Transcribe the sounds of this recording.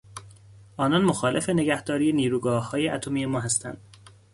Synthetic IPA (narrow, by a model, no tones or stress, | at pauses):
ʔɒːnɒnmoxɒːle̞fe̞ne̞ɡæhd̪ɒːɾiːjeniːɾuːɡɒːhːɒːjeʔæt̪ʰomiːjemɒːɦæst̪ʰæ̰nd̪̥